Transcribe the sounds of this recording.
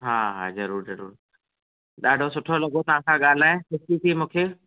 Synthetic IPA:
ɦaːɦa̰ːzɐɾuːɾzɐɾṵːɾ | ɗaːɖʱosʊʈʰolɐɠot̪ɐʋ̤ãkʰãɠaːl̤aːẽsɪsit̪ʰimũːkʰeː

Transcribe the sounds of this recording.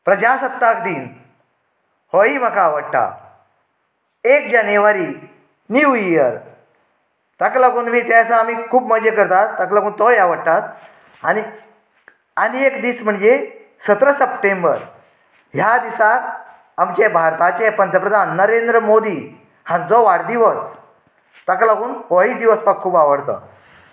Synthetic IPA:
pɾəd͡ʑasət̪ːakd̪iːn | hoim̤akaʋəɽʈ̪a̰ | ekd͡ʑanjəʋaɾiː | niuiəɾ | t̪əklaɡuːnʋiːt̪eəsãːmiːkʰuːpməd͡ʑəkəɾt̪at̪ːəklaɡuːnt̪ɔjaʋəɽt̪at̪ | ani | aniekd̪iːsm̤əɳd͡ze | sət̪ɾəsəpʈẽmbə̰ɾ | ɦjad̪isa | amt͡ɕebʱaɾt̪at͡ɕepənd̪ʱjəpɾəd̪ʱanːəɾend̪ɾəmod̪iː | hãnt͡sɔʋaɽd̪iʋəs | t̪aklaɡuːnʋɔɭid̪iʋəspakʰːuːbaʋəɽt̪ə̰

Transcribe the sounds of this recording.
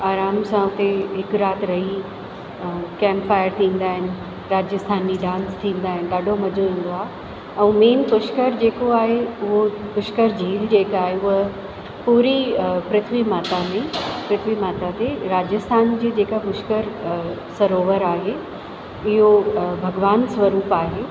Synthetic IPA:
aːɾaːmsãʊt̪eɦɪkɾaːt̪ʰɾɐɦi | kɛ̃ːmpfaːɪəɾt̪ʰĩːn̆d̪aːɦɪnɪ̆ | ɾaːd͡ʑəst̪ʰaːnːiɖãːnst̪ʰĩːn̆d̪aːɦɪnɪ̆ɗaːɖʱomɐd͡ʑʱoʋĩːn̆d̪oaːɦe | ɛ̃ːmeːnpʊʃkəɾd͡ʑeːkoaːɦeʊɦopʊʃkəɾd͡ʑʱiːld͡ʑeːkaːɦeʊɦə | puːɾipɾɪt̪ʰʋimaːt̪amẽpɾɪt̪ʰʋimaːt̪at̪eɾaːd͡ʑəst̪ʰaːnd͡ʑeːd͡ʑeːkapʊʃkəɾsɐɾoːʋəɾaːɦeː | ɪɦobʱɐɡʋaːnsʋɐɾuːpaːɦeː

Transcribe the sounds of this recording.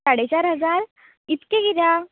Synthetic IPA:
aɽet͡ɕaɾɦəd͡zaɾ | it̪keɡiɾa

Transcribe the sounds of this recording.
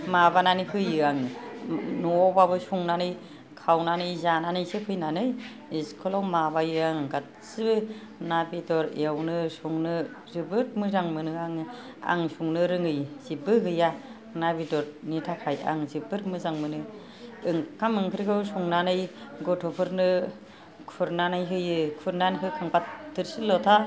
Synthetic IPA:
mabananihɯjɯaŋ | nɔɔbaβɯsuŋnanɯj | kʰawnanɯjzananɯjsɯpʰɯjnanɯj | iskʰɔlawmaβajɯaŋɡat̚ | sɯbɯ | nabidɔɾḛawnɯsuŋnɯ | zɯbɯɾ̚mɯzaŋmɯnɯaŋ | a̰ŋsuŋnɯɾɯŋɯjzibɯɦɯja | nabidɔɾnitʰakʰaja̰ŋzibɯɾmɯzaŋmɯnɯ | ɯŋkʰamɯŋpʰɯɾɡɯwsuŋnanɯjɡɔtʰɔpʰɯɾnɯ | kʰuɾnanajɦɯjɯkʰuɾnanɦɯkʰaŋpatʰːɯɾsɯlɔtʰa

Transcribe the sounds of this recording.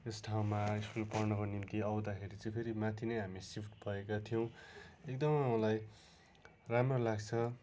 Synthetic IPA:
esʈʰaw̃maiskulpʌrnʌkonimt̪iʌwd̪akʰeɾit͡sʌ̃j̃pʰeɾimat̪ʰinʌjɦamisipʰʈbʱʌekat̪ʰijʌw̃ek̚d̪ʌmmʌlaj | ramrʌlaɡt͡sʰʌ

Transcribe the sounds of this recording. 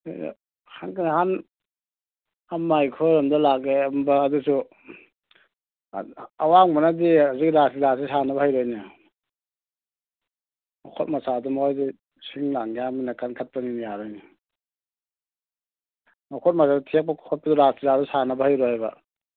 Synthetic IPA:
hankʰanhan | anmːajkʰɔɾɔmdalakembaːdusu | awaŋmanadiaziɡiɾasilasisanɐbɐhajɾɔjna | ma̰kʰɔt̚masadumojdi | siŋlaŋjaminakankʰat̚paŋinijaɾɔjni | makʰɔt̚masadtʰek̚pakʰɔt̚padɔɾasiladɔsanɐbɐhajɾɔhajba̰

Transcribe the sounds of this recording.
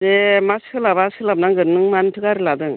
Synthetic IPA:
d̪emaskʰɯlabaskʰɯlabnaŋɡɯɾnɯŋmantʰɯkaɾilad̪ɯŋ

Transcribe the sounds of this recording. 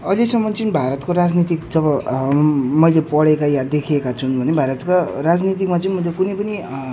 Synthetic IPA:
ʌlesʌmːʌnt͡sʌnbʱaɾʌt̪koɾad͡znit̪̬ikd͡zʌβʌ | mʌjlepʌɽekajad̪ekʰekat͡sʰunbʱʌnebʱaɾʌt̪karad͡znit̪ikmat͡sʌnmʌjlekunʌpʌni

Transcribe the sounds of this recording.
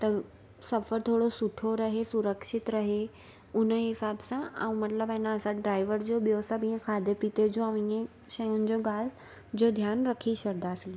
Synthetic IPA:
t̪ɐ | sɐfəɾt̪ʰoːɽosʊʈʰoɾɐɦesʊɾəkʃɪt̪ɾɐɦe | ʊnəɦɪsaːbsãã̰ũmɐt̪ləbɐ̃ɦnaəsaɖɾaːɪʋəɾd͡ʑoɓijosabĩẽkʰaːd̪epit̪ed͡ʑoɐ̃ʋ̃ɪ̃ẽ | ʃɐjʊnɪ̆d͡ʑoɡaːl̤ | d͡ʑod̪ʱjaːnɾɐkʰiɕɐɾd̪aːsɪl

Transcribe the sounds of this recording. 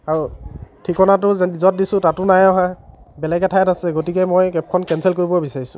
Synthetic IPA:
aɹutʰikɔnatʊzdizɔt̚disʊ̃tatʊnajɔɦãbɛlɛɡɛtʰajatasɛɡotikɛmojkɛp̚kʰɔnkɛnsɛlkoɹibɔbisaɹisʊ̃

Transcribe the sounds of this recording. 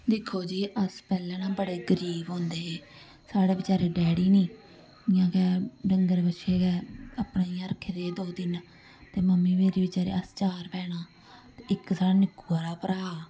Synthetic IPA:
d̪ɪkʰːoːd͡ʒiːʔəspɛːlɛ̃ːnãːbəɽeːɡəɾiːbɦõːnd̪eː | saːɽeːbət͡ʃaːɾeːɖɛːɽiːnĩː | ɪjãːkɛɖəŋɡəɾbəʃʰeːɡɛːəpnːiːɾəkʰed̪eːd̪oːd̪ɪn | t̪eːməmːiːmeːɾiːbət͡ʃaːɾḛːəst͡ʃaːɾpɛːɽaː | t̪eɪksaːnɪkuːaːɾaːpəɾaː

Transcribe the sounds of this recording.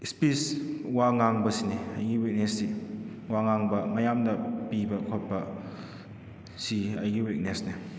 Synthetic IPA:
spiswaŋaŋbɐsiniɐjɡiwit̚nesːi | waŋaŋbɐmɐjamdɐpibɐkʰot̚pɐ | siɐjɡiwit̚nesni

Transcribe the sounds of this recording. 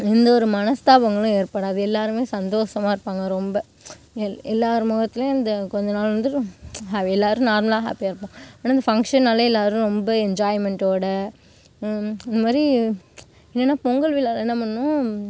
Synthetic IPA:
ɪnd̪ɐɔɾɯmɐnɐst̪aːʋɐŋɡɐɭʊ̃eːɾpɐɽaːɐðɯɛlːaːɾɯmeːsɐnd̪oːʂɐmaːɪɾɯpːaːŋɡɐɾɔmbɐ | ɛlːaːɾɯmɔːɣɐt̪ːɪl̃ɪnd̪ɐkɔɲd͡ʒɐnaːlʋɐnd̪ɯɦaɛlːaːɾɯ̃naːɾmɐlaːɦa̰ːpːjaːɾɯpːõɐnːaːɪnd̪ɐfɐŋkʂɐnːɐlːɐɛlːaːɾʊ̃ɾɔmbɐɛɲd͡ʒaːjɪmɛɳʈoːɽɐ | ɪnd̪ɐmaːd̪ɾi | ɛnːɛnːaːpɔŋɡɐɭʋɪlːalɛnːɐmɐnnːʊ̃

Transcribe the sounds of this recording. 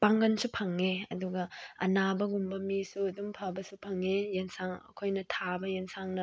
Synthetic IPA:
paŋɡɐnsupʰɐŋːeɐ̰duɡɐɐ̰nabɐɡumbɐmisuɐdumpʰabɐsupʰɐŋːejensaŋɐ̰kʰojnɐtʰabɐjensaŋnɐ

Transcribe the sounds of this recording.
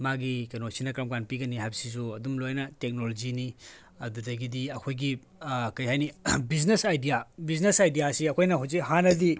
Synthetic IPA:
maɡikenosinɐkɾɐmkanpiɡɐnihajbɐsis̬uɐdumlojnɐtek̚nolod͡ʒini | ɐdudɐɡidiɐkʰojɡi | kɐjhajnibiznesajdijabiznesajdijasiɐkʰojnɐɦawzikhanɐdi

